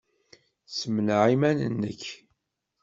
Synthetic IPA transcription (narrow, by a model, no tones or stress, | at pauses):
səmnʕimænə̰nːəç